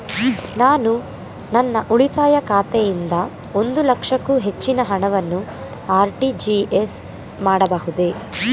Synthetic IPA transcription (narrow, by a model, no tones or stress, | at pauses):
naːnu | nɐnːɐʔuɭit̪aːjɐkaːt̪ejind̪ɐ | o̞nd̪ulɐkʂɐkːuɦe̞t͡ʃːinɐɦɐɳɐʋɐnːu | aːɾʈid͡ʒies | maːɽɐbɐɦud̪e